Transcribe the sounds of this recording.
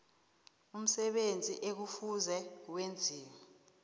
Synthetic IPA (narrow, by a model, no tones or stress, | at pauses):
um̩sɛɓend͡zʱiʔek̬ufuzɛwend͡zʱiːŋ